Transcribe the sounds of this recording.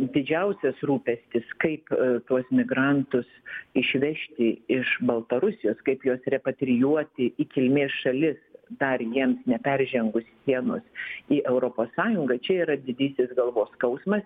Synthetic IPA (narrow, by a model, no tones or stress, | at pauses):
d̪ʲɪd͡ʒʲɛʊsʲɛsruːpʲɛsʲt̪ʲɪskɐɪpt̪uɔsmʲɪɡɾɑnt̪ʊsɪʃʲʋʲɛʃʲt̪ʲɪɪʃbɐlˠt̪ɐɾʊsʲɪjoːskɐɪpjoːsɾʲɛpɐt̪ʲɾʲɪjuɔt̪ʲɪikʲɪlʲmʲeːsʃɐlʲɪsd̪ɐrjiɛmsnʲɛpʲɛrʲʒʲɛŋɡʊsːʲiɛno̰ːsiːʔɛʊɾoːpoːsːɑːjʊŋɡɐt͡ʃʲɛiːɾɐd̪ʲɪd̪ʲiːsʲɪsɡɐlˠʋoːskɐʊsmɐs